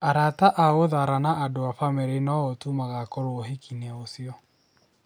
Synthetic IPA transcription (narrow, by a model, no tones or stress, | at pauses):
aɾataʔaoðaɾanaʔːdoafameɾenaotumaɣakɔɾooɦekʰinɛosiɔ